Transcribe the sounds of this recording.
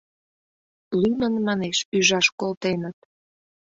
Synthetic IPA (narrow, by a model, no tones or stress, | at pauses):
lymənmɑneʃyʒɑʃkolt̪enət̪̚